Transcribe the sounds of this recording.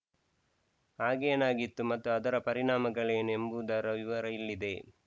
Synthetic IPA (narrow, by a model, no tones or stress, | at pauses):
aːɡeːnaːɡit̪ːumɐt̪ːuɐd̪ɐɾɐpɐɾiɳaːmɐɡɐɭeːnembud̪ɐɾɐʋiʋɐɾɐilːid̪e̞